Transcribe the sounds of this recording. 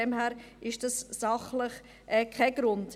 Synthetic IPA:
ɛmhɛːɾ | ɪʃd̥ɑssɑχləχ | ʔɛːkʰaɡ̥ɾʊnd

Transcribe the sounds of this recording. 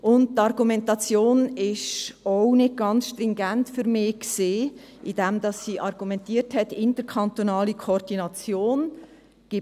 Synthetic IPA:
ʊnt̚t̪ɑɾɡumɛntɑt͡sjoːnɪʃɔnɪt̚ɡ̥ɑnsʃtɾɪŋɡæntfʏɾmɪːkseː | ʔid̥ɛmd̥ɑsːiʔɑɾɡ̥umɛntiəthɛtɪntəɾkʰɑnt̪onɑːlikʰoɾd̥inɑt͡sjoːn | ɡ̥ɪ

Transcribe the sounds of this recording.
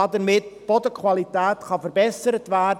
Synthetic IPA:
adənmɪd̚b̥ɔdəkʰwalˠidʰaːtχɔfərbɛsəɾədvaː

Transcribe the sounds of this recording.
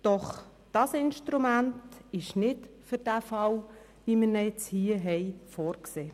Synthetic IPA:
d̥ɔχ | d̥ɑsɪnʃtɾumæntɪʃnɪtfʏɾd̥æfɑl | ʋiməɾnɛjɛt͡shiːəɦɛjfoːɾkseː

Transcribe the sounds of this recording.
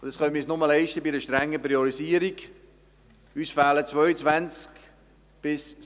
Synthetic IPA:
ʊd̥ɑsχœnmisnʊməlɛɪʃtəbiɾəʃtɾɛŋːəpɾiɔɾiziəɾik | yːsfæːlət͡svœʏət͡svænt͡sk | b̥ɪs

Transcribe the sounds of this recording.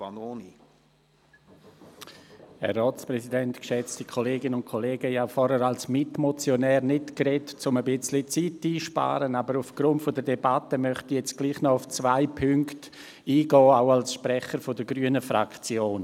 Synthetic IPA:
anoːni | hɛ̰rːɔːt͡spɾɛsidɛntkʃɛt͡stikʰoleːɡɪnənʊnt̚kʰoleːɡəjafɔɾəɾalsmɪtmɔt͡sjonɛːɾnɪtkɾɛtt͡sʊməbɪt͡slit͡sitiːʃpa̰ːɾənabəɾufɡ̥ɾʊntfodədɛbatəmœχtijɛt͡sɡ̥liːχnɔʊft͡svaɪpʰʏŋkt | iːɡɔːaʊalsʃpɾɛχəɾfodəɡɾyənəfɾakt͡sjoːn

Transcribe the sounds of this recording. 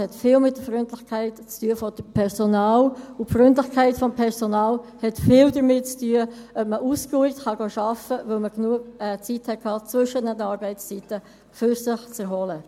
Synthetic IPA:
hɛtfɪːlmɪt̚d̥əfɾʏntlɪxkʰæɪtt͡styːəfɔd̥əpʰɛɾsonɑːlʊfɾʏntlɪχkʰæɪtfɔmpʰɛɾsonɑːlhɛtfɪːldəɾmɪt̚t͡styəʔœpməʔuskuɪktχɑɡoːʃɑfəʋɵlməɡnuəɡt͡sithɛt̚kʰhɑːt͡sʋɵʃənədəɑːɾbɛɪst͡sitə | fyɾsɪχt͡səɾɦɔlə

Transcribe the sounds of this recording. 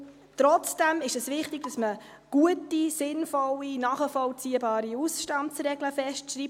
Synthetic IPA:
t̪ɾɔt͡sd̥æmɪʃɛsʋɪχtɪɡ̚dɑsmə | ɡ̥uətisɪnfɔlinɑːχəfɔlt͡siəbɑːɾiusʃtɑndsɾɛɡləfɛʃtʃɾiːp̚

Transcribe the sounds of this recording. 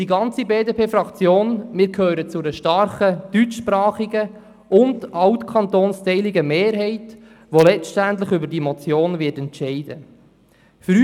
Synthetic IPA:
d̥iɡɑnt͡sibeːdepʰeːfɾɑkt͡sjoːnmɪːɾkʰøːɾət͡sʊdəʃtɑrχəd̥yt͡ʃʃpɾɑːχiɡə | ʊndɑwtkʰɑntoːnst̪ɛɪliɡəmeːɾɦɛɪt | ʋolɛt͡stæntlɪχʏbəɾdimɔt͡sjoːnʋɪːtɛntt͡ʃɛɪd̥ə | fɾy

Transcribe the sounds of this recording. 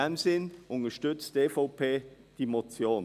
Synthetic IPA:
ɛnzenʔʊntəʃtʏt͡std̥efopʰeːd̥iːmot͡sjoːn

